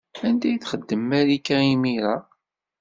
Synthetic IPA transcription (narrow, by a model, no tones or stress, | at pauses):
ænd̪æjθχəd̪ːəmːæɾikːæimiɾa